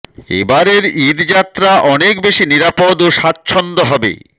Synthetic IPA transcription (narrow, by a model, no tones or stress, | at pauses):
ḛbaɾeɾid̪d͡ʑat̪ːɾaʔɔnekbeʃiniɾapod̪oʃat̪̚ːt͡ɕʰɔnd̪oɦɔbḛ